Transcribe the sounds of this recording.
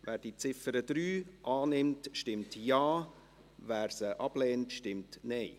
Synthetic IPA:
ʋæːɾd̥it͡sɪfəɾəd̪̥ɾyːʔɑːnɪmtʃtɪmtjɑː | væːɾsəʔɑb̥lɛːntʃtɪmtnɛɪ

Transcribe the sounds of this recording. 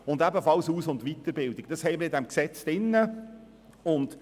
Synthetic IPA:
ʊndæbəfɑlsuːsʊndʋit̪əɾbɪldɪk̚d̥ɑshɛɪməɪdæmksɛt͡sd̥ɪnːə | ʊnd

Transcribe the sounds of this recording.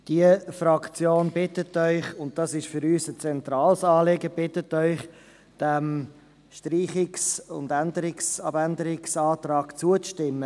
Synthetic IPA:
d̥iəfɾɑkʰt͡sjoːnbɪtətœʏχʊnt̚d̥ɑsɪʃfʏɾyːsət͡sɛntɾɑːlsɑːleɡəb̥ɪtətœʏχ | d̥ɛm | ʃtriːχɪksʊ̰ndændəɾɪksɑbændəɾɪksɑːt̪ɾɑːɡ̥t͡suəʃtɪmːə

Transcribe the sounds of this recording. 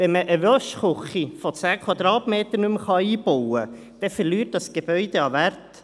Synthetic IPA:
ʋɛnməʔəʋœʃχʊχifɔt͡sæːkʰwɑd̪ɾɑːtmeːt̪əɾnʉmχɑiːbɔwə | d̥ɛfəɾlyːt̚d̥ɑsɡ̥eb̥œʏd̥̪eɑʋært

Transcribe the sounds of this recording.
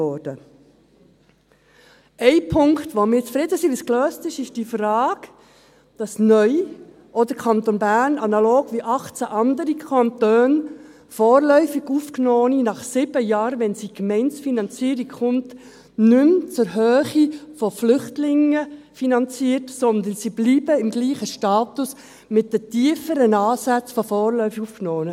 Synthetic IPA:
ɔɾd̥ə | ɛɪpʰʊŋktʋomɪːt͡sfɾɪdəsiʋiskløːstɪʃɪʃd̥iːfrɑːɡ̥ | d̥ɑsnœʏ | ʔɔd̪əɾkʰɑnt̪onbæːɾnɑnɑloːɡʋiʔɑχt͡sæʔɑnd̪əɾikʰɑntøːn | fɔːrlœʏfiɡuːfknɔːninɑχsɪb̥əjɑːɾʋɛnsikmɛɪnsfinɑnt͡siːəɾikχʊmt | nʏmt͡sʊɾɦøːχifɔflʏχtlɪŋə | finɑnt͡siːəɾtsɔnd̪ənsib̥liːbəɪmɡliːχəʃtɑːtʊs | mɪt̚dətiːəfəɾənɑːsæt͡sfɔfɔːrlœʏfuːfknoːnə

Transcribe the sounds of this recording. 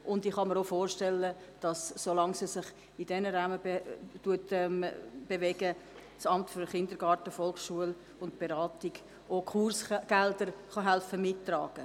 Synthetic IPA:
ʔʊndiχhɑməɾofoːɾʃtɛlːə | d̥ɑsːolɑŋsisɪχ | id̥ɛnəɾaməbtuətɛmb̥evɛɡə | sɑmtfyɾχɪndəɾɡɑːɾtəfɔlkʃuəl | ʊntb̥eɾɑːtɪɡ̥ | okʰursɡ̥ɛldəɾχɑɦælfəmɪtːrɑ̰ːɡ̥ə

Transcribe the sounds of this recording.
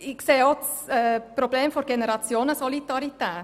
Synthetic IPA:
ɪkseːots | ɛpɾobleːmfɔɾɡ̥enəɾɑt͡sjoːnəsɔlidɑɾit̪ɛː

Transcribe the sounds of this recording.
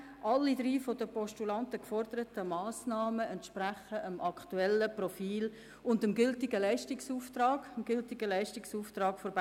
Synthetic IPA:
ʔɑlːidɾiːfodəpɔʃtulɑntəkfɔɾdəɾətəmɑːsnɑːməɛntʃpræχəʔəmʔɑktuɛlːəprɔfiːl | ʊndəmɡʏltɪɡəlæɪʃtɪksuːft̪rɑːɡ̥əmɡ̥ʏltɪɡəlæɪʃtɪksuːftrɑːɡfɔɾb

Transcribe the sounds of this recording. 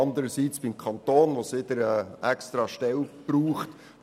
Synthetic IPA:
ɑnd̪əɾəsit͡sb̥ɪmkʰɑnt̪oːnʋosɪd̪əɾɛːɛkst̪ɾɑʃtɛlb̥ruːχt

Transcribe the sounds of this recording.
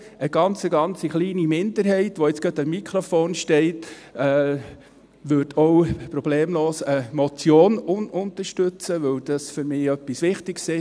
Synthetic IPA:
əɡ̥ɑnt͡səɡɑnt͡siχliːnimɪndəɾɦɛɪtʋɔɪt͡sɡ̥ɑtɑmːikʰɾofoːnʃtɛɪtɛː | ʋʏɾdʰɔwpɾɔb̥leːmloːsəmɔt͡sjoːnʊnʊnt̪əɾʃtøt͡səʋœwd̥ɑsfʏɾmɪːœpːisʋɪχtɪɡsɪ

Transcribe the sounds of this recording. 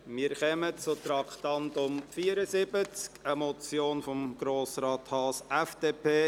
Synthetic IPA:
mɪəɾχœmət͡sʊt̪ɾɑkχt̪ɑnd̪ʊmfiːəɾəsɪbət͡skəmɔt͡sjoːnfɔmɡ̥ɾoːsrɑːt̪hɑːsɛfd̥eːpʰeː

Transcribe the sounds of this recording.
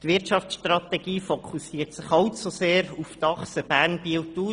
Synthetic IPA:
t̪ʋɪɾtt͡ʃɑft͡ssʃt̪rɑt̪ɛɡiːfokʰusiːəɾtsɪχɑwtsuseːɾuft̪ɑχsəb̥æːɾnbilt̪uː

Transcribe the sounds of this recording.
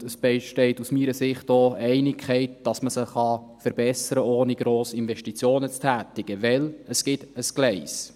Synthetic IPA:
əsb̥ɛɪʃtɛɪtusmiːɾəsɪχtoːɛɪnɪkʰχɛɪtd̥ɑsməsəχχɑfəɾb̥ɛsəɾəoːniɡɾoːsɪnvɛʃtit͡sjoːnət͡stʰæːt̪ɪɡ̥əʋɛləsɡ̥ɪtəsklɛɪs

